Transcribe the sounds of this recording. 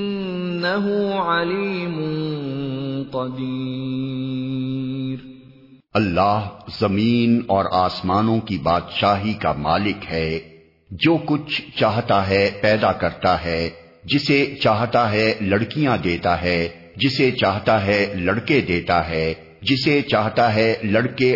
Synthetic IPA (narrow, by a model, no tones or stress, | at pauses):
ɪnː | ɐɦʊʕaliːmʊn | qɑd̪iː | ɾ | ɐlːaːɦzɐmiːnɔːɾaːsmaːnõkibaːd̪ʃaːɦikamaːlɪkɦɛː | d͡ʒoːkʊt͡ʃʰt͡ʃaːɦt̪aɦɛpɛːd̪akɐɾt̪aɦɛː | d͡ʒɪset͡ʃaːɦt̪aɦɛlɐɽkijãd̪eːt̪aɦɛ | d͡ʒɪset͡ʃaːɦt̪aɦɛlɐɽked̪eːt̪aɦɛː | d͡ʒɪset͡ʃaːɦt̪aɦɛlɐɽke